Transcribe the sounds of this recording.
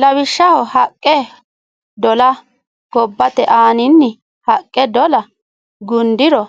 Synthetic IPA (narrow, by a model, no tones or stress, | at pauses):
lɐbɪʃːɐhɔhɐkʼːɛ | d̪ɔlɐ | ɡ̥ɔbːɐt̪ɛʔaːnɪnːɪ | hɐkʼːɛd̪ɔlɐ | ɡʊnd̪ɪɾɔ